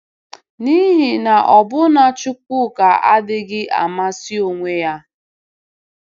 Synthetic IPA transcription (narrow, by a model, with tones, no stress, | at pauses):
ni˦ɦi˨na˨ʔɔ˨bʊ˦na˦t͡ʃʊ˦k̚ʷʊ˦˨ka˨a̰˦dɪ˦ɡɪ˦ʔa̰˨ma˦si˦o˨ŋʷe˦ja˦